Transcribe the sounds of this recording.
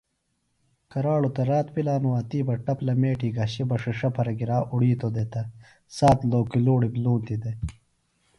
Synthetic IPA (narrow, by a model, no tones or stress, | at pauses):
kɐɾaːɭut̪ɐɾaːt̪pilaːnuaːt̪iːbɐʈɐplɐmeːʈiːɡɐɕibɐʂɐʂɐpʰɐɾɐɡiɾaːʔuɽiːt̪od̪et̪ɐ | saːt̪loːkiloːɽibluːnt̪id̪e